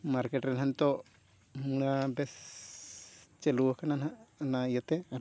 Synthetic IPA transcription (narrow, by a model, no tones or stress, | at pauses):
maɾkeʈɾɛnɦant̪ɔ | muɽabɛs | t͡ʃelukanananajat̪e